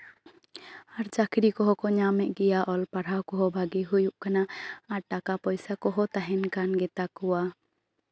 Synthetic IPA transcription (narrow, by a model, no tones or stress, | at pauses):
aɾd͡ʒakʰɾikɔɦɔkɔɲamɛʔɡɛjaʔɔlpaɽawkɔɦɔbʱaɡiɦujuʔkanaaɾʈakapɔjsakɔɦɔt̪aɦɛnkanɡɛt̪akɔwa